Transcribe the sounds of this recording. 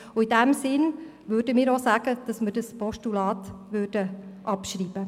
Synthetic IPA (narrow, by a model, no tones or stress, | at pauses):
ʊɪdæmsɪn | ʋøːɾrdəmɪːɾosaːɡ̥əd̥ɑsməɾdɑspɔʃtulɑːtʋørd̥əʔɑpʃɾiːb̥ə